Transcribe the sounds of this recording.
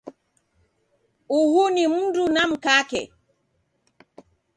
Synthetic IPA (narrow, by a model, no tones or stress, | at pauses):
uhunim̩dunam̩kakɛ̰